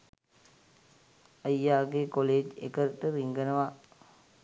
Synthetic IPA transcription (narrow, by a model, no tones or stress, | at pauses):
əjːaːɡekoleːd͡ʒḛkəɾʈəɾiŋɡənəʋa